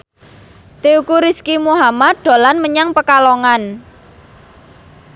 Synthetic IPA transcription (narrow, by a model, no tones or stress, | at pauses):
t̪eukuɾiskimuɦamat̪̚d̪̥o̤lanməɲaŋpəkaloŋan